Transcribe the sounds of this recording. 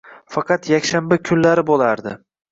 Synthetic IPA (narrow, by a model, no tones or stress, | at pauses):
fɑqʰɑt̪jakʲʃanbakʲʰʊnlaɾɪbolˠaɾd̪ɪ